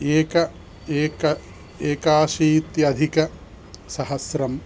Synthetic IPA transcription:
eːkɐ | eːkɐ | eːkaːʃiːt̪jɐd̪ʱikɐ | sɐhɐsɾɐm

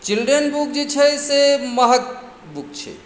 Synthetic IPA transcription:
t͡ʃilɖɾənbuk̚d͡ʒet͡ʃʰɛseməɦət̪̚ | buk̚t͡ʃʰɛ̰

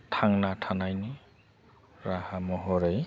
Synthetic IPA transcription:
tʰaŋnatʰanajni | ɾahamɔɦɔɾej

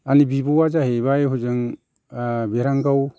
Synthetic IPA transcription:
anibibowad͡ʒaɦeβajɦud͡ʒɯŋ | beɾaŋɡaw

